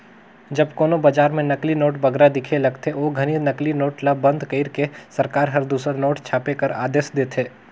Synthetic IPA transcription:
d͡ʒɐbkoːnobaːd͡ʒaːɾmẽnɐklinoːʈbɐɡɾad̪ɪkʰelɐɡt̪ʰeoːɡʱɐninɐklinoːʈlaːɐ̃nd̪kəiɾkesɐɾkaːɾɦɐɾd̪uːsɾanoːʈt͡ʃʰaːpekɐɾa̰ːd̪eːsd̪eːt̪ʰeː

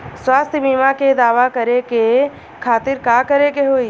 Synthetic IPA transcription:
swaːst̪ʰəbimãked̪aːʋakəɾeke | kʰaːt̪ɪɾkaːkəɾekeɦoːiː

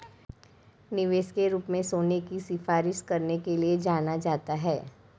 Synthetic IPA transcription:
nɪʋeːʃkeɾuːpmẽsoːnekisɪfaːɾɪʃkɐɾnekelied͡ʒaːnad͡ʒaːt̪aɦɛː

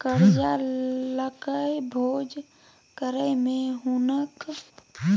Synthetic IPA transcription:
kəɾd͡ʒaləkəjbʱoːd͡ʒ | kəɾəjmẽɦunək

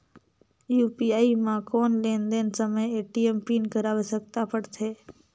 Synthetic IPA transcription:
juːpiaːimãkoːnlẽːnd̪ẽːnsəməjeːʈiempiːnkəɾaːʋesək̚t̪apəɽt̪ʰeː

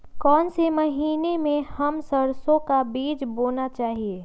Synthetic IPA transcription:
kɔːnsemɐɦiːnemẽhɐmsəɾsõkabiːd͡ʒboːnat͡ʃaːɦieː

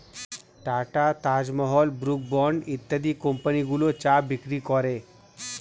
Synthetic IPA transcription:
ʈaʈat̪ad͡ʑmɔɦɔlbɾuk̚bɔɳɖit̪ːəd̪ikompəniɡulot͡ɕabikɾikɔɾe

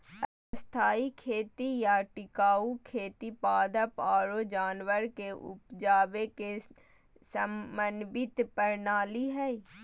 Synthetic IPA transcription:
ə | əst̪ʰaːikʰeːt̪ijaʈɪkaːukʰeːt̪ipaːd̪əpaːɾod͡ʒaːnwəɾkeʔʊ̰pd͡ʒaːʋeke | səmənbɪt̪pəɾnaːliɦɛː

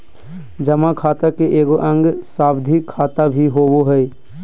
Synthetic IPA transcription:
d͡ʒɐmakʰaːt̪akeʔeːɡoʔə̃ŋɡsaːbd̪ʱikʰaːt̪abʱiɦoːboɦɛi

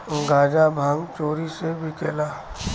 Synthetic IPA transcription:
ɡaːd͡ʒabʱaːŋɡt͡ʃoːɾisebʱikeːlaː

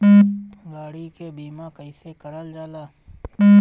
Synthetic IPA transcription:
ɡaːɽikebiːmãkəisekəɾəld͡ʒaːlaː

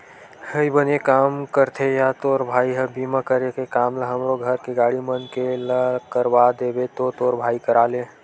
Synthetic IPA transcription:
həibənekaːmkəɾt̪ʰejat̪oːɾbʱaːiɦəbimakəɾekekaːmləɦəmɾoɡʱəɾkeɡaːɽimənkeləkəɾwad̪eːbet̪ot̪oːɾbʱaːikəɾaːle

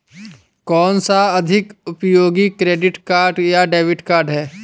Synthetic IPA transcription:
kɔːnsaɐd̪ʱɪkʊpjoːɡikɾeːɖɪʈkaːɾɖjaɖeːʋɪʈkaːɾɖɦɛː

